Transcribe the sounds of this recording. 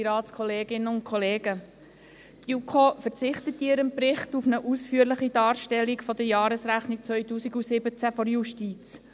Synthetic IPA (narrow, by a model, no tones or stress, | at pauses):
ɾɑːtskʰɔleːɡɪnəʊnt̚kʰɔleːɡ̥ə | ɡ̥jukʰofəɾt͡sɪχtətːiːəɾənpɾɪχtufnəʔusfyːəɾlɪχid̥ɑːɾʃtɛlːikfɔdəjɑːɾəsɾæχnikt͡sʋœʏtuːsiɡusɪbət͡sæfɔɾjuʃtiːt͡s